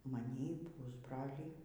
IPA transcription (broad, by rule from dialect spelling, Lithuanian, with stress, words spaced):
mɐˈnʲiː ˈpʊzbrɐlʲiː